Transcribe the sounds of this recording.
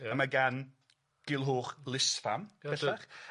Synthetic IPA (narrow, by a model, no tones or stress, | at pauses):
maɡan | ɡ̥ɪlˠɦoːχlˠɪsfamɛɬaχ